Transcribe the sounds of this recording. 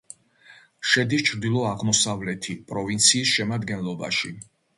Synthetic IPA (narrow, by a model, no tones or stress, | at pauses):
ʃɛd̪it͡ʃʰɾd̪ilˠɔaʁmɔsavlɛt̪ʰipʼɾɔvint̪sʰiːsʃɛmad̪ɡɛnlˠɔba̰ʃḭ